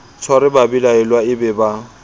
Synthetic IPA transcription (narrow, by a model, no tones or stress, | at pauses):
t͡sʰɔɾɪbabilaɛlwaɪbɛba